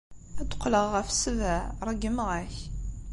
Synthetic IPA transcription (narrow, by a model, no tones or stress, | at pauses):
æd̪ʊ̥qːləʁːəfsəvæɾˤəɡəmʁæç